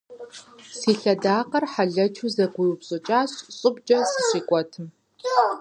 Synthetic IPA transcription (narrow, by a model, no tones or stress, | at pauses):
siːɬɐdaːqɐrħaɮɐt͡ʃʰuzɐɡʷʊjupɕʼɨt͡ʃʼaːɕɕʼɨbd͡ʒʼɐsɨɕiːkʷʼɔtʰɨm